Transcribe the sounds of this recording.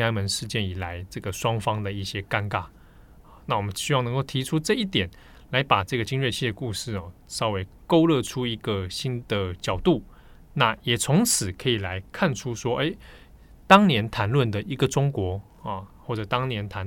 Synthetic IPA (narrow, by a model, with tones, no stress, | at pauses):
a˥nmə˧˦nʂɻ̩˥˧t͡ɕjɛ˥˩ni˨˩la˨˦ɪʈ͡ʂɤ˥˩ɡə˩ʂwɑ˥ŋfɑ˥ŋd̪ə˨i˥˩ɕjɛ˥ka˥nka˥˩˨ | na˥˩wɔ˨˩mə˦nɕy˥wɑ˥˩ʊn˧˦ŋko˥˩ʊt̪ʰi˧˥ʈ͡ʂʰu˥ʈ͡ʂɤ˥˧i˥˩t̪jɛ˨˩n | la˧˥ɪpa˨˩ʈ͡ʂɤ˥˩ɡə˩t͡ɕi˥nɻɥɛ˥˧t͡ɕʰi˥˧˩d̪ə˨ku˥˧ʂɻ̩˥˩ɔ˨˩sɑ˥ʊwe˧˥ɪko˥ʊlɤ˥˧ʈ͡ʂʰu˥i˧˥ɡə˨ɕi˥nd̪ə˨t͡ɕjɑ˨˩ʊt̪u˥˩ | na˥˩jɛ˨˩t͡sʰʊ˧˥ŋt͡s̩ʰ˨˩kʰɤ˧˥i˨˩la˧˦ɪkʰa˥˩nʈ͡ʂʰu˥ʂwɔ˥ʔḛ˥ɪ | t̪ɑ˥ŋnjɛ˧˥nt̪ʰa˧˥nlwə˥˩nd̪ə˨ʔi˧˥ɡə˨ʈ͡ʂʊ˥ŋkwɔ˧˥˨ | xwɔ˥˩ʈ͡ʂɤ˨˩t̪ɑ˥ŋnjɛ˧˦nt̪ʰa˧˦n